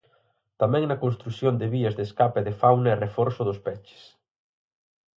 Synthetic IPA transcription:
t̪amɛ̃ŋnɐkonst̪ɾusjond̪ɪβiɐzðeskapeðɪfawnɐerefɔɾsʊðʊspɛt͡ʃɪ̥s

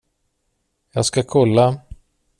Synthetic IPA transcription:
jɑːɡskakʰɔlːa

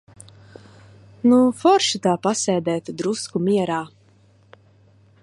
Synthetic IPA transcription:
nufɔɾʃit̪aːpasɛːd̪ɛːt̪ud̪ɾuskumiɛɾaː

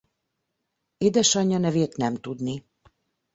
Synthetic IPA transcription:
eːd̪ɛʃɒɲːɒnɛveːt̪nɛmt̪ud̪ni

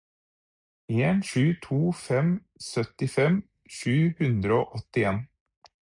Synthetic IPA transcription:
eːnʃʉːt̪ʰuːfɛm | sœt̪ɪfɛm | ʃʉːhʉnd̪ɾəoːʔɔt̪ɪeːn

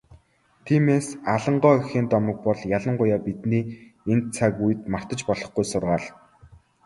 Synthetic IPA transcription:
t̪ʰiːmeːsaɮə̆ɴɢɔːexeːnt̪ɔmɞ̆k̚pɔɮjaɮə̆ɴɢʊjaːpit̪niːent͡sʰakujɘ̆t̪mar̥t̪ə̆t͡ɕpɔɮɞ̆χɡujsʊrʁaːɮ

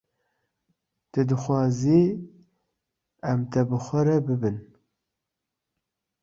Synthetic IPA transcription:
t̪ɨd̪ɨxwɑːzi | ɛmt̪ʰɛbɨxʷɐɾɛbɨbɨn

